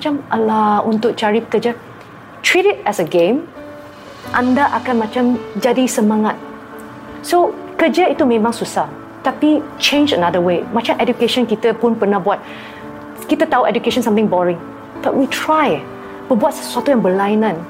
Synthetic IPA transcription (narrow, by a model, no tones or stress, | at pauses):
mat͡ʃãmʔəlaũnt̪ʊk̚t͡ʃaɹikəd͡ʒa | tʰɹiɾitɛsəɡẽm | ʔãndaʔakãnmat͡ʃãmd͡ʒadisəmãŋat̪̚ | sokəd͡ʒait̪umẽmãŋsusah | t̪apit͡ʃẽnd͡ʒənadəwemat͡ʃãmʔɛdukeʃɔ̃nkit̪əpũnpənahbuat̚ | kit̪ət̪aɦuʔɛd͡ʒukeʃɔ̃nsãmt̪ɪ̃ŋbɔɹɪ̃ŋ | b̥aʔ̚witʰɹaj | tubuat̚swat̪uɛ̃nbəlajnə̃n